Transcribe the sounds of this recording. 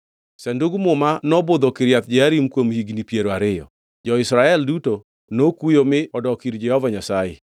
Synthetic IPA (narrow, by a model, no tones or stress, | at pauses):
sɛnduɡmʊmanɔbod̪ɔkɪɾjat̪d͡ʒɪaɾimkwomhiɡnipjeɾoaɾɪjɔ̰ | d͡ʒɔɪsɾaɛlduto | nokujomɪɔdɔkiɾd͡ʒɛhɔvaɲasajḛ